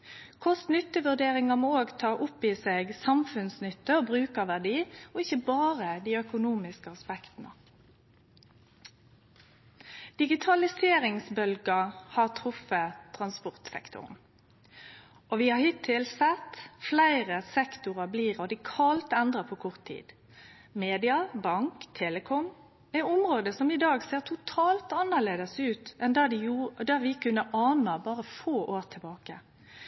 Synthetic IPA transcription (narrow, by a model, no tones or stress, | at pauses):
kʰʊsnʏt̪ːəʋʉʁd̪eːʁɪŋɑmoːoːɡt̪ʰɑːʔʊpːɪseːɡsɑmfʉnsnʏt̪ːəɔbʁʉːkəʋæʁɖiːɔɪçəbɑːʁəd̪iːœkʊnuːmɪskəɑspɛkt̪n̩ə̰ | d̪̥ɪɡɪt̪ʰɑlɪseːɾɪŋsbœlɡəhɑːʁt̪ʰʁʊfət̪ʰʁɑnspʊʁt̪sɛ̰kt̪ʰʊ̰ʁn | ʔɔʋɪhɑɾhɪt̪ʰːɪlsɛt̪ːflæɪʁəsɛkt̪ʊʁɑbliːʁɔd̪ɪkʰɑlt̪ɛnd̪ʁəpʰɔkʰɔʁt̪ʰːḭːd̪̥ | meːd̪ɪɑbɑŋkt̪ʰeːləkʰɔm | æɪʊmʁoːd̪əsɔmɪd̪ɑːɡseːʁt̪ʰʊt̪ʰɑːlt̪ɑnːəleːd̪əsʉːt̪ɛnd̪ɑd̪ɪjud̪ɑʋɪkʰʉnːəʔɑːnəbɑːʁəfoːʔoːʁt̪ʰɪlbɑːkə